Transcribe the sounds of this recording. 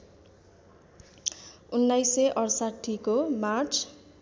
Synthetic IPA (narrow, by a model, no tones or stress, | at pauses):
unːajseʔʌrsaʈʰːikomart͡sʰ